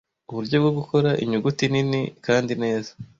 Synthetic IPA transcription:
uβuɾɟo̞bɡobɡuko̞ɾaʔiɲuɡutininikaːndine̞ːza

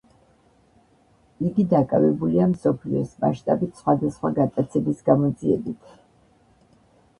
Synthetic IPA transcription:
iɡid̪akʼa̰vɛbuliamsɔpʰliɔ̰sma̰ʃt̪ʼabit̪ʰsχwad̪asχwaɡat̪ʼat̪sʰɛbisɡamɔd̪ziɛbit̪ʰ

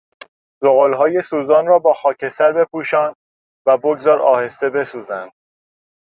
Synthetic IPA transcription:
zoɣoːlɦɒːje̞suːzɒːnrɒːbɒːxɒːcʰe̞sæɾbe̞pʰuːʃɒːnd̪ | væboɡzɒːɾɒ̰ːhe̞st̪e̞be̞suːzænd̪̥

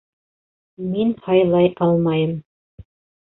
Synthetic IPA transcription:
minhɑjlˠɑjʔɑlˠmɑjɤm

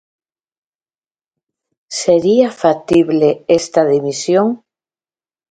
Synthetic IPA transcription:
seɾiafat̪iβleest̪aðimisjoŋ

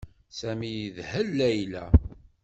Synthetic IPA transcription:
sæmijiðhəlːæjlæ̰

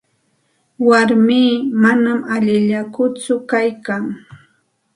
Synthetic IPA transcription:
waɾmiːmanamaʎɪʎakʊt͡sʊkajkaŋ

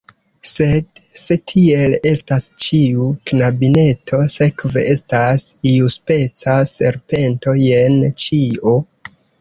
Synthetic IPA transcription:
se̞dse̞tʰie̞le̞stast͡ʃiuknabine̞tʰo̞se̞kve̞̰ʔe̞stasiuspe̞t͡sase̞̰ɾpe̞nto̞je̞nt͡ʃio

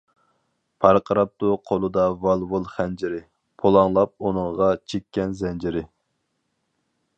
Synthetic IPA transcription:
pʰɑɾqʰəɾɑp̚t̪ʊqʰolˠɨd̪ɑvɑlˠvulˠχɛnd͡ʒɪɾɪ | pʰolˠɑŋlˠɑp̚unɨŋʁɑt͡ʃʰekʲːɛnzɛnd͡ʒɪɾɪ

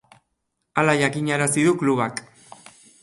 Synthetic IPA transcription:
alaʝakiɲaɾasiðukluβak

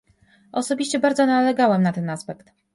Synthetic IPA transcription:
ʔɔsɔbʲiɕt͡ɕɛbaɾd̪zɔnalɛɡawɛmnat̪ɛnaspɛkt̪

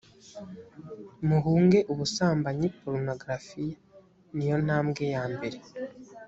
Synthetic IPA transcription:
muɦuːŋɡe̞ʔuβusaːmbaɲipoɾno̞ɡɾafi | nijo̞n̥aːmɡe̞jaːmbe̞ɾe̞

